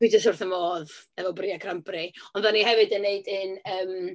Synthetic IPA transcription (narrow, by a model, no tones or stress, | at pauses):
ɪɨdəs̬ʊrθənmoːðɛvɔbriakʰrambriɔnðanihɛvɨdənːeɨdɨnəːm